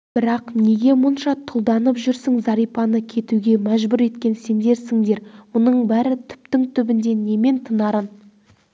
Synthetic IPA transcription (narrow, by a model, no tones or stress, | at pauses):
b̥ɪɾɑqne̞ɡʲe̞mʊnʃɑt̪ʰʊlˠd̪ɑnəpʒʏɾsɪŋzɑɾijpɑnəkʲʰe̞t̪uɡʲe̞mæʒbʏɾe̞t̪kʲe̞nse̞nd̪e̞ɾsɪŋd̪e̞ɾmʊnəɴbæɾɪt̪ʰʏ̥p̚t̪ɪŋt̪ʰʏbɪnd̪e̞ne̞me̞nt̪ʰənɑɾən